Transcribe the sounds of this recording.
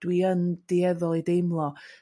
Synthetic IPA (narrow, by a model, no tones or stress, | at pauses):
d̥wiənd̥iɛðɔlˠidejmlˠɔ